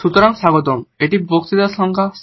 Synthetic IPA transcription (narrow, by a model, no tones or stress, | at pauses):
ʃut̪ɔɾaŋʃaɡot̪omeʈibokt̪id̪aʃɔŋkʰa